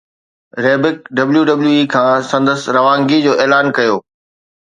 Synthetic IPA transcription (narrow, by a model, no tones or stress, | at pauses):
ɾeːbɪkɖɐbljuɖɐbljuiːkʰãːsɐ̃nd̪əsɾɐʋãːŋɡid͡ʑoːʔeːlaːnkɐjoː